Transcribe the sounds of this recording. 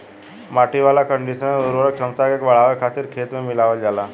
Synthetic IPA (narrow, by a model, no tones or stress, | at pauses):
maːʈʰiʋaːlakə̃ɳɖiʃənẽzəɾuɾək̚t͡ʃʰəmt̪akeːkʋɐɭ̤aʋekʰat̪iɾkʰeːt̪mẽmɪlaʋəld͡ʒalaː